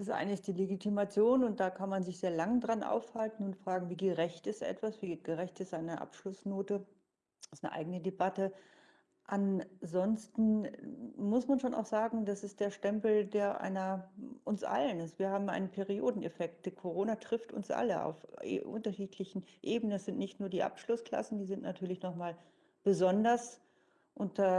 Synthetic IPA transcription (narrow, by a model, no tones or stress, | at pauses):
ɪsʔa̰ɪnəɪst̚d̥iːleɡitʰimat͡sjoːnʊnt̚d̥aːkʰanmanzɪçz̥eːɐlaŋədʁanʔa̰ʊfhaltn̩ʊntfʁ̥aːɡŋ̩viːɡəʁɛçtɪstʔɛ̰tv̥asv̥iːɡ̥əʁɛçtɪstʔaɪnəʔa̰pʃlʊsnoːtə | ɪstnə̰ʔa̰ɪɡənədebatə | ʔanzɔnstn̩ | mʊsmanʃoːna̰ʊxz̥aːɡŋ̩dasɪst̚d̥eːɐʃtɛmpl̩deːɐʔa̰ɪnɐʔʊnsʔa̰lənɪsv̥iːɐhaːbm̩ʔa̰ɪnənpʰeʁioːdn̩ḛfɛk̚t̚d̥kʰoʁoːnatʁ̥ɪftʊ̰nsʔa̰ləa̰ʊfʔʔʊ̰ntɐʃiːtʰlɪçn̩ʔeːbənənsz̥ɪntnɪçtnuːɐdiːʔa̰pʃlʊskl̥a̰sn̩diːzɪntnatʰyːɐlɪçnɔχmaːl | b̥əzɔndɐs | ʔʊntɐ